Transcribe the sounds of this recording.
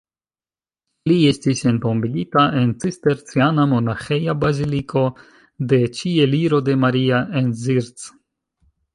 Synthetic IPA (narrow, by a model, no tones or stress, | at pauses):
lie̞stisento̞mbiɡitaʔe̞nt͡siste̞ɾt͡sianamo̞naxejabazilikʰo̞ | de̞t͡ʃieliɾo̞de̞maɾiaʔenziɾt͡s